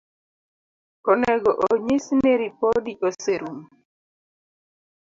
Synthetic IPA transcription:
ɔnɛɡɔʔoɲisneɾipodiʔoseɾum

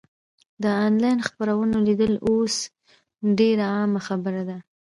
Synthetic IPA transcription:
d̪əɑnlɑjnxpaɾawənolid̪əlos | ɖeɾaɑmaxabəɾad̪a

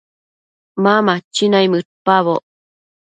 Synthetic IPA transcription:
mamat͡ʃːinaimɯɾpaβo

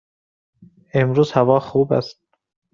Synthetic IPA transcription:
emɾuːzhævɒːxuːbæ̰st̪̚

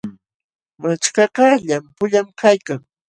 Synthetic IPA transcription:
mat͡ʃkɑɢɑʎampʊʎamkajkaŋ

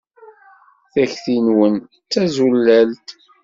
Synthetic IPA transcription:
θæçθinwən | t͡sːæzulːælt̪

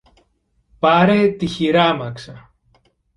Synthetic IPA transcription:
pɐɾet̪içiɾɐmɐksɐ

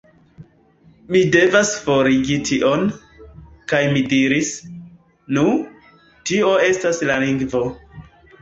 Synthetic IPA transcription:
mide̞vasfo̞ɾiɡitʰiʔo̞n | kajmidiɾis | nu | tio̞e̞staslaliŋɡvo̞

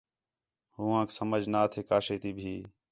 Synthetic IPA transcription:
hʊːãːksəməd͡ʒʱnaːt̪ʰeːkaːʃeːt̪iːbʱiː

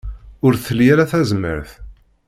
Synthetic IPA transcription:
ʊɾθəlijæɾæθæzəmːə̰ɾθ

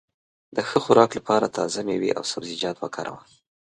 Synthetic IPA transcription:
d̪̥əxəxʊɾɑklapɑɾat̪ʰɑzamewḭʔa̰wsabzɪd͡ʒɑt̪wakʰɑɾʔa̰wɑn

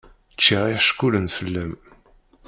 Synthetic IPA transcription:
t͡ʃːiʁiħʃkulənfəlːəm

